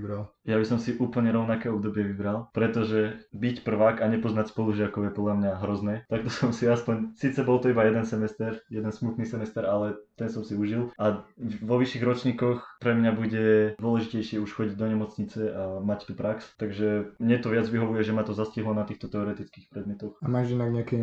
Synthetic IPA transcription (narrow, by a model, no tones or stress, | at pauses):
ɾaljabisɔmsiʔuːpl̩ɲɛɾɔʊnakɛːɔbd̪ɔbɪɛʋibɾalˠpɾɛt̪ɔʒɛbicpr̩ʋaːkaɲɛpɔznacspɔluʒɪakɔʊjɛpɔd̪lamɲaɦɾɔznɛːt̪ak̚t̪ɔsɔmsiaspɔɲsiːt͡sɛbɔlˠt̪ɔibajɛd̪ɛnsɛmɛst̪ɛɾjɛd̪ɛnsmut̪nisɛmɛst̪ɛɾalɛt̪ɛnsɔmsiuʒilaʋɔʋiʃiɣɾɔt͡ʃɲikɔxpɾɛmɲabuɟɛd̪ʊɔlɛʒicɛjʃɪɛuʃxɔɟiɟd̪ɔɲɛmɔt͡sɲit͡sɛamact̪upɾakst̪aɡʒɛmɲɛt̪ɔʋɪad͡zʋiɦɔʋujɛʒɛmat̪ɔzasciɦlɔnat̪iːxt̪ɔt̪ɛɔɾɛt̪it͡skiːxpɾɛd̪mjɛt̪ɔxamaʒinaɡɲɛakɛ